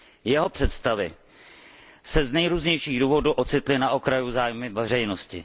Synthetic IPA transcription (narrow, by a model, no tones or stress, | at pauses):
jɛɦo̞pr̝̥ɛt̪st̪avɪ | sɛznɛjɾuːzɲɛjʃiːɣduːvo̞duʔo̞t͡sɪt̪lɪnaʔo̞kɾajuzaːjmɪvɛr̝ɛjno̞scɪ̰